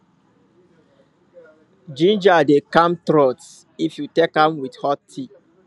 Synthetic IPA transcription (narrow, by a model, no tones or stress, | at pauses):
d͡ʒĩnd͡ʒadekãmtɾɔt | ifjutekãmwidhɔtʰːi